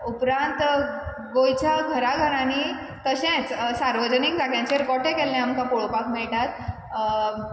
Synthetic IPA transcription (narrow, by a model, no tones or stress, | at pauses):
upɾãnt̪ | ɡojt͡ɕaɡʱəɾaɡʱəɾani | t̪əɕɛ̃t͡ssaɾʋəd͡ʑənikd͡zʱaɡjãt͡ɕeɾkɔʈɛkɛlːɛ̃amkãpoɭopakmiɭʈat̪̚